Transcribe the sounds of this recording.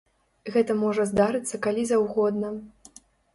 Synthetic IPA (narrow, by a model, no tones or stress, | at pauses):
ɣɛt̪ɐmɔʐɐzd̪aɾɨt̪sːɐkalʲizawɣɔd̪nɐ